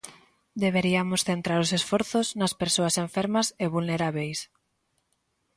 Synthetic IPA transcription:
d̪eβeɾiɐmʊsθent̪ɾaɾʊsesfɔɾθʊznɐspeɾsoɐseɱfeɾmɐseβulneɾaβejs

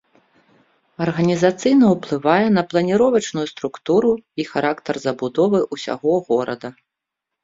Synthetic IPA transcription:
ɐrɣɐnʲizat̪sɨjnɐwplˠɨvajɛn̪ɐplˠɐnʲiɾɔvɐt͡ʂnujust̪ɾukt̪uɾuixaɾakt̪ɐrzɐbud̪ɔvɨʔusʲa̰ɣɔɣɔɾɐd̪ɐ

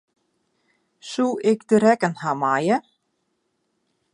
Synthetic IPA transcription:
suʔɪkd̪ɪɾɛkanhamaːjɛ

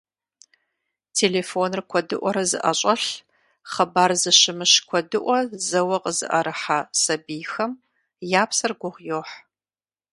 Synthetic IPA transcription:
tʰeːleːfonrɨkʷʰɔdɨ̰ʔʷɔɾɐzɨ̰ʔɐɕʼɐɬ | χɐbaːrzɨɕɪmɨɕkʷʰɔdɨʔʷɔzɐwɐqʼəzɨ̰ʔɐɾɨħaːsɐbiːjxɐm | jaːpsɐrɡʷʊʁʷjoːħ

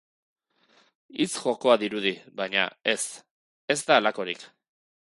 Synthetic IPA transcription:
it͡sxo̞ko̞aðiɾuðiβajɲa̰e̞s | e̞zd̪alako̞ɾik

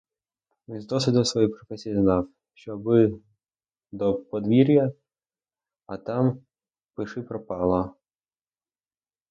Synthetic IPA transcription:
mʲizd̪ɔsʋʲɪd̪ɔsʋɔjijpɾɔfɛsʲijiznɑw | ʃt͡ʃɔbɪ | d̪ɔpɔd̪ʋʲiɾʲjɐ | ɐt̪ɑm | pɪʃɪpɾɔpɑlˠɐ

